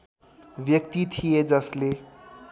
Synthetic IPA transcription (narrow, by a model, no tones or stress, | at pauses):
ʋjʌk̚t̪it̪ʰijed͡zʌsle